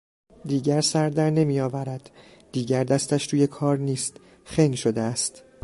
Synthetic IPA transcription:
d̪iːɟæɾsæɾd̪æɾne̞mijɒːvæɾæd̪̥ː | iːɟæɾd̪æst̪æʃɾuːje̞kʰɒːɾniːst̪ | xeŋɡʃod̪eæst̪

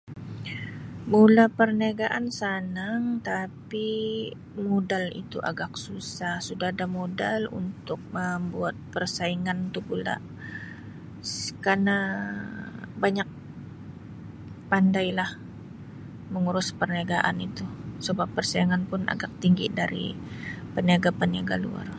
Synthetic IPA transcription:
mulapərnaɡaʔansanaŋt̪api | modalḭt̪ṵʔa̰ɡak̚susahsudahadamodalṵnt̪ʊk̚məmbuat̪̚pərsaiŋant̪uhpula̰ | skarna | baɲak̚ | pandajlah | məŋuɾʊspərniaɡaʔanit̪usəbapːərsaiŋanpʊna̰ɡak̚t̪iŋɡḭdaɾḭ | pəniaɡapəniaɡalṵa̰r

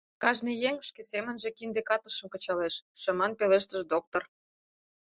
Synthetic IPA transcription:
kɑʒnijeŋʃkesemə̆nʒĕkind̪ekɑt̪ə̆ʃə̆mkɤ̆t͡ɕɑleʃːɤ̆mɑnpeleʃt̪ə̆ʒd̪ok̚t̪or

